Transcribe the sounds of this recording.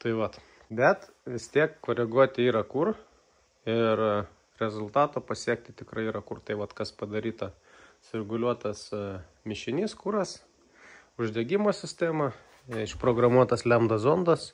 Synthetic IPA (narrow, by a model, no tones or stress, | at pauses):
t̪ɐɪʋɐt̪ | bʲɛt̪ | ʋʲɪst̪ʲiɛkkoːɾʲɛɡuɔt̪ʲɪiːɾɐkʊr | ɪr | ɾʲɛzʊlˠt̪ɑːt̪oːpɐsʲiɛkt̪ʲɪt̪ʲɪkɾɐɪiːɾɐkʊrt̪ɐɪʋɐt̪kɐspɐd̪ɐɾʲiːt̪ɐ | sʊɾʲɛɡʊlʲuɔt̪ɐs | mʲɪʃʲɪnʲiːskuɾɐs | ʊʒʲd̪ʲɛɡʲɪmoːsʲɪsʲt̪ʲæːmɐ | ɪʃpɾoːɡɾɐmuɔt̪ɐslʲɛmd̪ɐsoːnd̪ɐs